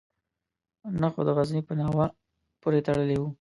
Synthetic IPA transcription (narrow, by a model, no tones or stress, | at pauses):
naxo̰d̪əɣaznipənawa | poɾet̪aɽəlewu